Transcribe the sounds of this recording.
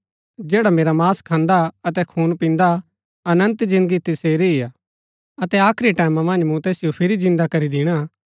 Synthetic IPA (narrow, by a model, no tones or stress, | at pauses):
d͡ʒɛːɽameːɾamaːskʰãːnd̪aɐt̪ɛkʰuːnpĩːnd̪a | ɐnə̃nt̪d͡ʒɪ̃nd̪əɡit̪ɪseːɾiia | ɐt̪ɛaːkʰɾiʈaːɪmãmɐ̃nd͡ʒmũt̪eːsɪjopʰɪɾid͡ʒɪ̃nd̪akɐɾid̪ɪɽ̃a